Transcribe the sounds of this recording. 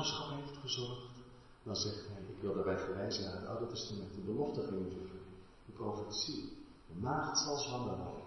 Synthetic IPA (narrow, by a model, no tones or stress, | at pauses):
sχɑpɦejftχəzɔɹəχt | dɑnzɛχtɦɛjɪkʋɪlˠdəɹbɛjvəɹʋɛjzənaːɹɦətɑ̰wdətɛstamɛntəbəlɔftəχɪŋənvəfənə | dəprofətsi | dəmaːχtsɑlˠsɦɑndənɔ̰